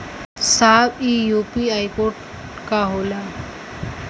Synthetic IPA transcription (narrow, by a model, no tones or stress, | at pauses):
saːbijupiɦajkoʈ | kaɦola